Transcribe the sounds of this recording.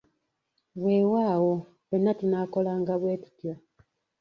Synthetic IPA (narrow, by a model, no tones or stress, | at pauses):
βwe̞ːwaːwo | βenːatinaːko̞laːŋɡaβweːtu̥tja